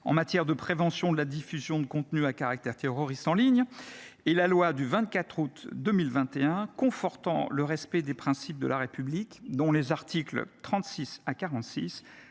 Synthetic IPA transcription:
ɑ̰̃mat̪jɛʁd̪əpχevɑ̃sjɔ̃d̪əlad̪ifyzjɔ̃d̪əkɔ̃t̪nyakaʁak̚t̪ɛʁt̪eʁɔʁist̪ɑ̃liɲ | elalwad̪yvɛ̃t̪̚kat̪χut̪d̪əmilvɛ̃t̪eɛ̃kɔ̃fɔʁt̪ɑ̰̃ləʁɛspɛd̪epχɛ̃sip̚d̪ə̰laʁepyblikd̪ɔ̃lezaʁt̪ʰiklt̪χɑ̃t̪sisakaʁɑ̃t̪sis

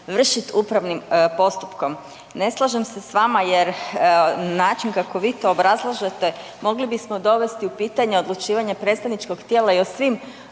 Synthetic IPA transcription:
ʋr̩ʃit̪upɾaʋnimpo̞st̪u̥pko̞m | ne̞slˠaʒemse̞sʋamajeɾ | naːt͡ʃinkako̞ʋiːt̪o̞ːbɾazlˠaʒet̪e̞ | mo̞ɡlibismo̞d̪o̞ʋe̞st̪iupiːt̪aɲe̞o̞d̪lˠut͡ʃiːʋaɲepɾet̪st̪aʋnit͡ʃko̞ɡt̪jeːlaiosʋiːm

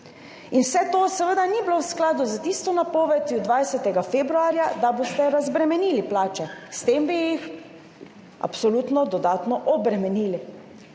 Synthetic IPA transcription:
inwsɛt̪oːsɛʋəd̪anibilowsklaːd̪uzat̪ist̪ɔnapoːʋɛt̪jud̪ʋajsɛt̪ɛɡafeːbɾuaːɾjad̪abost̪ɛɾazbɾɛmɛniːliplaːt͡ʃɛst̪eːmbijix | ʔa̰psɔlut̪nɔd̪ɔd̪aːt̪nɔʔɔbɾɛmɛniːli

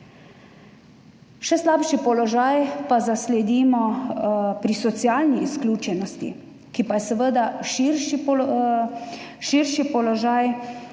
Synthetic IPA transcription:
ʃɛslaːpʃipɔlɔʒaːjpazaslɛd̪iːmɔ | pɾisɔt̪sijaːlniːsklʲjuːt͡ʃɛnɔst̪ḭ | kipajɛsəʋəd̪aʃiɾʃip | ʃiɾʃipɔlɔʒaj

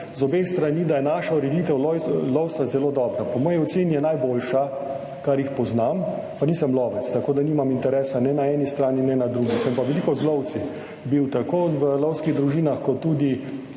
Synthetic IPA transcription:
zɔbeːst̪ɾaniːd̪ajɛnaʃauɾɛd̪iːt̪ɛwlɔwsazɛloːd̪ɔːbɾapɔmɔːjiɔt̪senijɛnajboːlʃa | kaɾjixpɔznam | paniːsɛmlɔːʋɛt̪st̪akoːd̪aniːmamint̪ɛɾɛːsanɛnaɛːnist̪ɾaːninɛnad̪ɾuɡisɛmpaʋɛlikɔzlɔwt̪si | biwt̪akoːʋəlɔwskiɣd̪ɾuʒiːnaxkɔt̪ːuːd̪i

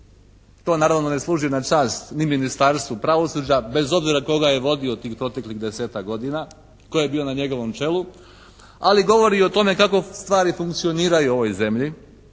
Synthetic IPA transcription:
t̪o̞ːnaːɾaʋno̞ne̞slˠuːʒionat͡ʃaːst̪niminist̪aɾst̪ʋupɾaʋo̞sud͡ʑabe̞zo̞bziɾako̞ɡaje̞ʋo̞d̪io̞t̪iːxpɾo̞t̪e̞kliɣd̪e̞se̞ːt̪akɡo̞d̪ina | ko̞je̞biːo̞naɲe̞ɡo̞ʋo̞mt͡ʃe̞lu | aliɡo̞ʋo̞ɾio̞t̪o̞me̞kako̞st̪ʋaːɾifuŋkt̪sio̞niːɾajuo̞ʋo̞jze̞mʎi

